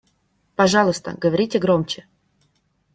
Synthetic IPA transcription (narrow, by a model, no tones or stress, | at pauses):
pɐʐɑlˠʊst̪ə̰ɡəvɐɾʲitʲɪɡɾomt͡ɕɪ